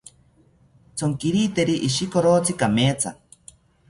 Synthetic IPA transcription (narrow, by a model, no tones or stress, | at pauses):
t͡sʰoŋkiɾiːt̪eɾiʔiʃikoɾoːt͡sikameːt͡sʰa̰